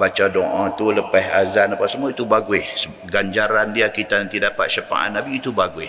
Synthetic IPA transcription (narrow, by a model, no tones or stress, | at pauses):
bat͡ʃadɔʔãt̪uləpɛɦazanapaʔsəmuait̪ubaɡuɪhsə | ɡaɲd͡ʒaɾandiakit̪anant̪idapa̰t̪̚ʃəpa̰ʔa̰nabiːt̪ubaɡuɪh